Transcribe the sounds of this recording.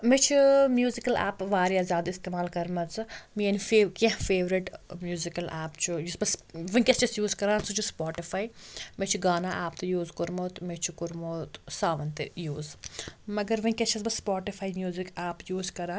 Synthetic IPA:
met͡ʃʰumjuːzikɐla̰ːpʋaːɾiaːzʲaːd̪ist̪eːmaːlkɐɾmɐt͡smienifekɐ̃ɦfeːʋɾiʈmjuːzikɐlaːpt͡ʃʰujusbɐsʋɐ̃kʲest͡ʃɐsjuːzkɐɾãːnsut͡ʃʰuspaːʈifaːimet͡ʃʰuɡaːnaʔaːpt̪ɨjuːzkuɾmoːt̪met͡ʃʰukuɾmoːt̪saːʋɐnt̪ḛjuːzmɐɡɐɾʋɐĩkʲɐt͡ʃʰɐsbɐsːpaːʈifʰaːimjuːzikaːpjuːzkɐɾaː

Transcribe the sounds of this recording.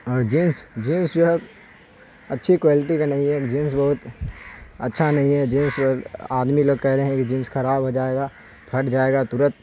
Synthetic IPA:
ɔːɾd͡ʒĩːnsd͡ʒĩːnsd͡ʒoɦɛ | ɐtːʃʰikwaːlɪʈikanɐɦĩɦɛd͡ʒĩːns̬bɐɦʊt̪ | ɐtːʃʰanɐɦĩɦɛd͡ʒĩːnsaːd̪miloːɡ̚kɛɦɾeɦɛ̃kid͡ʒĩːnsxɐɾaːbɦod͡ʒaːeɡaː | pʰɐʈd͡ʒaːeːɡat̪ʊɾət̪̚

